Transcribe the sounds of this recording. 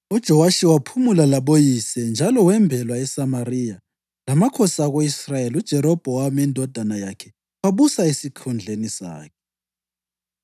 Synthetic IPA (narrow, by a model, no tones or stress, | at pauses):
ud̥ʒ̥ʱɔwaʃiwapʰumulalaβojisɛnd͡ʒʱalɔwɛmbʱɛlwaɛsamarija | lamakʰɔsaɣoisrajeliud̥ʒ̥ʱɛɾɔb̥ʱɔwamɛndʱɔd̥ʱanajakʰɛ | waβusaesikʰund͡ɮʱenisa̰ːkʰɛ̥